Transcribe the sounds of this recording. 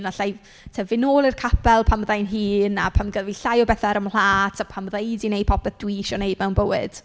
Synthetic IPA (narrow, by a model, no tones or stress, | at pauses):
naɬaj | tʰɛvɪnoːlˠirkʰapʰɛlˠpʰamðajnɦiːna̰pʰamɡəðviɬajɔbɛθaɾəml̥aːtʰapʰamðejdinej̚pʰɔpɛθd̥wiʃɔnejdmɛwnbəwɪd̥